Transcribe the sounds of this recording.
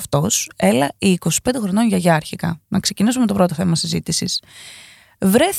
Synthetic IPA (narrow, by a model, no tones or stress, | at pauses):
ft̪o̞se̞lɐiːko̞si̥pe̞nd̪xɾono̞nʝɐʝɐɾçikɐ̰nɐkse̞cinisume̞t̪o̞pɾo̞t̪o̞θe̞mɐsizit̪isis | vɾe̞θ